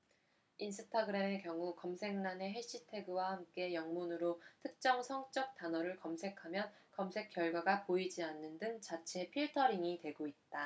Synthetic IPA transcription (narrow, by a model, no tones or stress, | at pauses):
insʰɯtʰaɡɯɾemekjʌŋukʌmsʰe̞ŋnane̞ɦe̞ɕ͈itʰe̞ɡɯwahamk͈e̞jʌŋmunɯɾotʰɯk̚t͡ɕ͈ʌŋsʰʌŋt͡ɕ͈ʌk̚t͈anʌɾɯɭkʌmsʰe̞kʰamjʌnkʌmsʰe̞k͈jʌɭɡwaɡapoid͡ʑianːɯndɯŋt͡ɕat͡ɕʰe̞pʰiɭtʰʌɾiŋitwe̞ɡoit̚t͈a